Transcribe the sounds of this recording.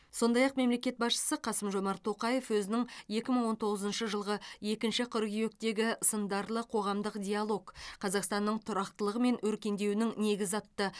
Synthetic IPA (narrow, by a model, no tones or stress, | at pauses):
so̞nd̪ɑjɑqme̞mle̞kʲe̞t̪bɑsʃə̥səqʰɑsəmʒo̞mɑɾt̪ʰoqɑjefwɵzɪnɪŋje̞kʲɪməɴwo̞nt̪ʰo̞ʁəzənʃəʒəlˠʁəje̞kʲɪnʃɪqʰʊɾɡʲije̞kt̪e̞ɡʲɪsənd̪ɑɾlˠəqʰo̞ʁɑmd̪əqdʲialˠo̞kqʰɑzɑqst̪ɑnːəɴt̪ʰʊɾɑqt̪əlˠəʁəme̞nwɵɾkʲe̞nd̪e̞wɪnɪŋne̞ɡʲɪzɑt̪ːə